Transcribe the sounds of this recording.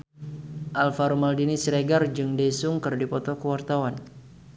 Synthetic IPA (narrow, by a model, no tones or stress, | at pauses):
ʔalfaɾumaldinisɾeɡard͡ʒɨŋdesʊŋkɨrdipɔt̪ɔkəwart̪awan